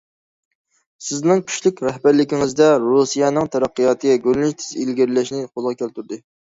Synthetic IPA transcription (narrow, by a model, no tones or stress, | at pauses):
sɪznɪŋkʲʰy̥ʃlykʲɾɛhbæɾlɪkʲiŋɪzd̪ɛɾusijɛnɨŋt̪ʰɛɾɑqːɨjɑːt̪ʰɨɡʲɛɡʲølnyʃt̪ʰɪ̥zilɡʲiɾlɛʃnɪqolˠʁɑkʲʰølt̪yɾd̪ɨ